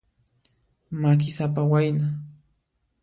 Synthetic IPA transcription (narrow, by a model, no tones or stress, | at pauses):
mak̬ɪsapawajna